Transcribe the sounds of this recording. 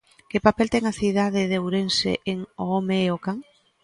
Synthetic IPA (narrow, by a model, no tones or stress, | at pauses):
kɪpapelt̪ɛŋaθið̞aðɪðewɾensḛʔeŋoomeːokaŋ